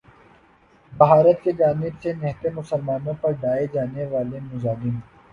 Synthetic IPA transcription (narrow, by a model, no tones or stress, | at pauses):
bɐɦaːɾət̪ked͡ʒaːnɪbsenɪɦt̪emʊsəlmaːnõpɐɾɖaːed͡ʒaːneʋaːlemʊzaːlɪm